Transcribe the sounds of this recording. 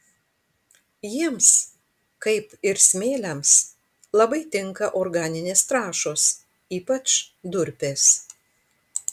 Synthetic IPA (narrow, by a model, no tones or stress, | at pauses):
jiːms | kɐɪpɪɾsʲmʲeːlʲɛms | lˠɐbɐɪt̪ʲɪŋˑkɐʔoɾɡɑːnʲɪnʲeːst̪ɾɑːʃoːs | iːpɐt͡ʃd̪ʊɾʲpʲeːs